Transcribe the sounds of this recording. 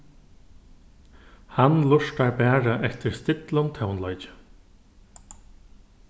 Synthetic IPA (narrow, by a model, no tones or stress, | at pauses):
hanlʊʂt̪aɹbɛːɾaʔɛhft̪ɪɾst̪ɪt̪lʊnt̪ʰœwnlɔjt͡ɕɪ̥